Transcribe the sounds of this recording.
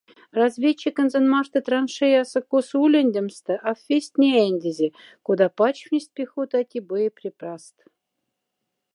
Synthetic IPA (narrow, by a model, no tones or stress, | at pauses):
razvʲet͡ɕːikə̆nzĕnmɑʂt̪ə̆t̪rɑnʂejɑsɤ̆kosulʲɘ̆nʲd̪ʲɘ̆mst̪ə̆ʔɑfʲfʲesʲt̪ʲnʲenʲd̪ʲezʲe | kod̪ɑpɑt͡ɕfnʲisʲt̪̚ʲpʲexot̪ɑtʲibɤjepʲrʲeprɑst̪